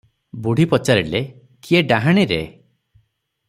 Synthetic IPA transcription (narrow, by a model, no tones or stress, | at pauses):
buɽ̤ipɔt͡ʃaɾile | kieɖaɦaɽ̃iɾḛ